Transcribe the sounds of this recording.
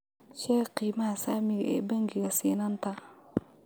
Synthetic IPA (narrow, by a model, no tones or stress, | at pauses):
ʃɛqiːmaasamiɡɛ̰baŋɡiɡasiːnanta